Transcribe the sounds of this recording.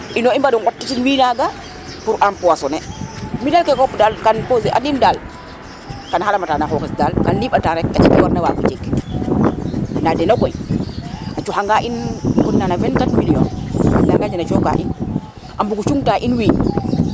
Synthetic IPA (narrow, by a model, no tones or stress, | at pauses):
ʔinoimbadɔnwatːitinwiːnaɡa | puɾʔampuwasɔnɛmidalkekopdalkanpozeʔa̰dindal | kanhalamatanaɦokisdalkanliɓataɾɛkkːaʔikːiwaɾnawakot͡ʃek | nadɛnokoj | at͡ʃuhaŋɡaʔinkunːanavɛnkatmiliɔ̰nnaɡad͡ʒanat͡ʃoka̰ʔin | ʔambuɡut͡ʃuŋtaʔinwiːɲ